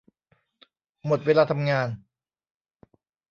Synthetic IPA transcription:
mo˨˩t̪̚weː˧laː˧t̪ʰa˧mŋaː˧n

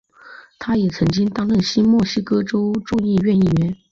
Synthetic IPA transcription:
t̪ʰa˥jɛ˨˩t͡sʰɤ˧˥ŋt͡ɕi˥ŋt̪ɑ˥ŋlə˥˩nɕi˥mwɔ˥˩ɕi˥kɤ˥ʈ͡ʂo˥ʊʈ͡ʂʊ˥˧ŋi˥˧ɥɛ˥˧ni˥˩ɥɛ˧˥n

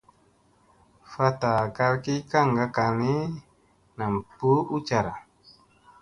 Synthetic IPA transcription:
fa˦t̪a˨ka˦lki˦ka˦ŋɡa˦ka˨ni˦ | na˨m˨pu˦u˦t͡ʃa˨ɾa˨

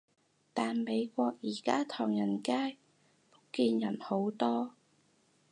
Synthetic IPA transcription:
t̪aː˨nme˨˧jkʷɔː˧k̚jiː˨˩kaː˥t̪ʰɔː˨˩ŋjɐ˨˩nkaː˥j | pʊ˥kiː˧njɐ˨˩nho˨˥wt̪ɔː˥

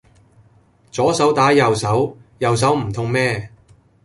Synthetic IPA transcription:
t͡sɔː˨˥sɐ˨˥wt̪aː˨˥jɐ˨wsɐ˨˥wjɐ˨ws̬ɐ˨˥wm̩˨˩t̪ʰʊ˧ŋmɛː˥

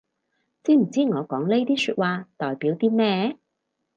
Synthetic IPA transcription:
t͡siː˥m̩˨˩t͡siː˥ŋɔː˨˧kɔː˨˥ŋle˥jt̪iː˥syː˧t̚waː˧t̪ɔː˨jpiː˨˥wt̪iː˥mɛː˥

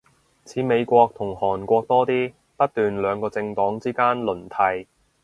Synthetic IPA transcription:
t͡sʰiː˨˥me˨˧jkʷɔː˧k̚t̪ʰʊ˨˩ŋhɔː˨˩nkʷɔː˧k̚t̪ɔː˥t̪iː˥ | pɐ˥t̚t̪yː˨nlœː˨˧ŋkɔː˧t͡sɪ˧ŋt̪ɔː˨˥ŋt͡siː˥kaː˥nlɵ˨˩nt̪ʰɐ˧j

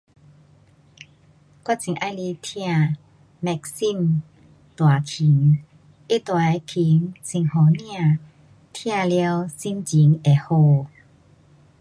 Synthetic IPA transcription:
kwa˥t͡ɕi˨˦ŋʔa˧jli˧t̪ʰj̃ã˥˧˨ | mɛ˧k̚si˥˨n | t̪wa˨˩kʰi˨˦ŋ | e˦˥t̪wa˨e˨˦kʰi˨˦ŋsi˨˩ŋhɔ˨˦nj̃ã˥˧˨ | t̪ʰj̃ã˥˧˨lja˧wsi˦˧mt͡ɕi˨˦ŋe˨˩ho˧˨

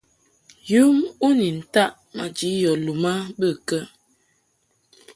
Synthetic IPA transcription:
ju˦mu˦ni˨n̩˨ta˦ʔ | ma˨d͡ʒi˨˦jɔ˨lu˨ma˦bə˦˨kə˦

